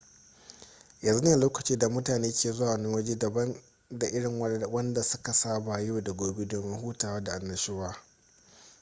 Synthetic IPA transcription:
jɐ˨nzu˦ne˦˨a˨loː˦kɐ˨t͡ʃiː˦da˨mʊ˦taː˨neː˦kʲeː˦˨zʊ˦waː˨nɪ˦ŋwɐ˦d͡ʒe˦dɐ˨bɐ˦n | da˨ʔɪ˦ɽɪ˨ŋwɐ˦wɐ˦nda˨sʊ˦ka˨saː˦ba˨jo˦da˨ɡʷoː˨be˦dɔ˨mɪ˦ɦuː˦taː˨waː˦da˨ʔa˨nːɐ˨ʃeː˦waː˦

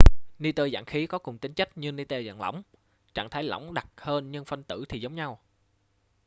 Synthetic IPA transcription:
ni˧t̪əː˧za̰ː˧˨ŋxi˨˦kɔ˨˦kʊ˨˩ŋ͡mt̪ï˨˦ŋ̟t͡ɕa˦˥k̚ɲɨ˧ni˧t̪əː˧za̰ː˧˩ŋla̰˧˩wŋ͡m | t͡ɕa̰ː˧˩ŋt̪ʰaː˨˦jlɔ̰˧˩wŋ͡mɗa˨˩t̚həː˧nɲɨ˧ŋfə˧nt̪ɨ̰˧˩t̪ʰi˨˩zə˨˦wŋ͡mɲa˧w

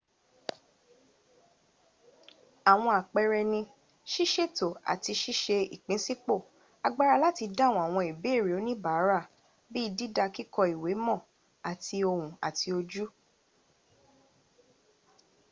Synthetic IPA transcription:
a˨w̃ɔ̃˧a˨k͡pɛ˧ɾɛ˧nĩ˧ | ʃi˦ʃe˦˨to˨a̰˨ti˧ʃi˦ʃe˧i˨k͡pĩ˨˦si˦k͡po˦˨ | a˧ɡ͡ba˦ɾa˧la˦ti˧dã˦˨wũ˨a˨w̃ɔ̃˧i˨be˨˦˨ɾi˨o˨˦nĩ˦ba˨˦ɾa˦˨ | bi˦˧di˦da˧ki˦kɔ˧i˨we˨˦mɔ̃˦˨ | a˨ti˧o˧hũ˨a˨tʰi˧o˧d͡ʒu˦

